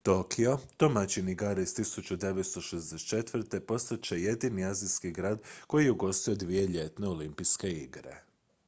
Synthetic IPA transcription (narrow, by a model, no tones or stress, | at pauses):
t̪o̞kʰio̞t̪o̞mat͡ɕiniɡaːɾeist̪isut͡ɕud̪e̞ʋet̪st̪o̞ʃezd̪eset͡ʃe̞t̪ʋr̩t̪e̞po̞st̪at̪̚t͡ɕe̞je̞d̪iniaziskiɡɾaːd̪ko̞jijeuɡo̞st̪io̞d̪ʋije̞ʎe̞t̪ne̞o̞limpiske̞iɡɾe̞̰